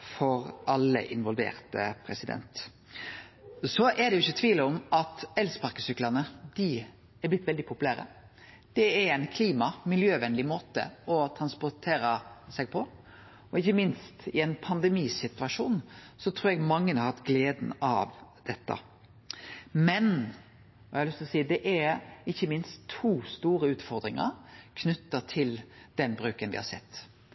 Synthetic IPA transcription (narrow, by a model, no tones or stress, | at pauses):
fɔɾʔɑlːə̰ʔɪnʋɔlʋḛːɾt̪ə̰pʰɾɛsɪd̪ɛ̰nt̪ | sɔʔɛd̪ɛjʊɪçːət̪ʰʋiːləɔmʔɑt̪ɛlspɑɾkəsʏklɑnəd̪ɪ | ɛblɪt̪ːʋɛld̪ɪpʰʊpʉlæːɾə̰ | d̪̥ɛɛɾɛɪnkʰliːmɑmɪljøːʋɛnlɪmoːt̪ə̰ɔt̪ʰɾɑnspɔɾt̪ʰeːɾəsɛɡ̚pʰɔ | ɔɪçːəmɪnst̪ɪɛnpʰɑnd̪ɛmiːsɪt̪ʉɑʂuːnsɔt̪ʰɾuːɾɛɡmɑŋːənəɑɾhɑt̪ɡleːd̪n̩ɑ̰ʋd̪̥ɛt̪ːɑ̰ | mɛn | ɔɑɛhɑlʏst̪ɔsiːd̪ɛʔɛɪçːəmɪnst̪ʰːuːst̪uːɾəʉːt̪fɔɾd̪ɾɪŋə̰kʰnʏt̪ːət̪ʰɪld̪̥ɛnbɾʉːkənʋɪ̰hɑ̰ɾsɛ̰t̪ː